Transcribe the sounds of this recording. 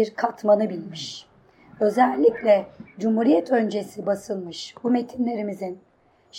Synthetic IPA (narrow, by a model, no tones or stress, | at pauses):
iɾkʰat̪manɯbilʲmiʃ | ø̞zælʲːiclʲɛd͡ʒumhuɾijɛt̪ʰø̞nd͡ʒe̞sibasɯlˠmɯʃbume̞t̪ʰinlʲe̞ɾimizin | ʃ